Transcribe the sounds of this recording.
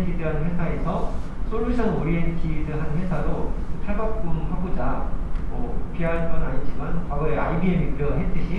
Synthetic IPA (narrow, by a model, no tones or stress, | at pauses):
nkʰidɯɦannwe̞sʰae̞sʰʌ | sʰoɭɯsʰʌŋoɾientʰidɯɦanɯnwe̞sʰaɾoɯtʰaɭɡak̚k͈umhaɡod͡ʑamʌupʰiɦankʌnaɲit͡ɕimankwaɡʌea̰ibiemiɯɾʌɦet͈ɯɕʰi